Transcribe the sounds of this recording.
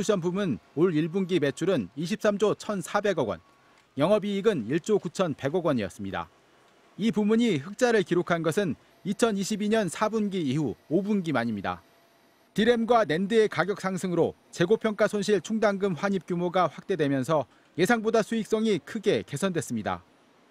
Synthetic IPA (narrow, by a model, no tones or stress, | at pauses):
usʰʌnpumunoɭiɭbunɡime̞t͡ɕʰuɾɯniɕ̬ʰip̚s͈amd͡ʑot͡ɕʰʌnsʰabe̞ɡʌɡwʌ̰n | jʌŋɦʌbiːɡɯniɭt͡ɕ͈okut͡ɕʰʌnpe̞ɡʌɡwʌɲiʌs͈ɯmɲida̰ | ipumuɲiɸɯk̚t͡ɕ͈aɾɯɭkiɾokʰanɡʌsʰɯn | it͡ɕʰʌniɕʰibiɲʌnsʰabunɡiːhuobunɡimaɲimɲida̰ | tiɾe̞mɡwane̞ndeekaɡjʌk̚s͈aŋsʰɯŋɯɾo | t͡ɕe̞ɡopʰjʌŋk͈asʰonɕ̬ʰiɭt͡ɕʰuŋdaŋɡɯmɸwaɲip̚k͈jumoɡaɸwak̚t͈e̞dwe̞mjʌnsʰʌ | je̞sʰaŋbodasʰuik̚s͈ʌŋikʰɯɡe̞ke̞sʰʌndwes͈ɯmɲida̰